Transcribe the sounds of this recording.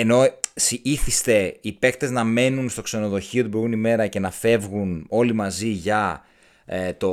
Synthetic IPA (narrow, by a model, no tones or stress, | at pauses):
eno̞siiθist̪e̞ipe̞kt̪e̞znɐme̞nunst̪o̞kse̞no̞ðo̞çiot̪iboɾunime̞ɾɐce̞nɐfe̞vɣuno̞limɐziʝɐ | et̪o